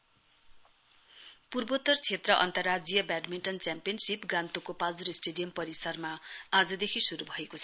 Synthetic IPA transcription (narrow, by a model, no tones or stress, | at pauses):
purbot̪ʌrt͡sʰet̪rʌʔʌ̰nt̪ʌrːad͡zijʌbaɖminʈʌnt͡sjampijʌnsipɡãnt̪okopald͡zuɾisʈeɖijʌmpʌɾisʌrmaad͡zʌd̪ekʰisuɾubʱʌekot͡sʰʌ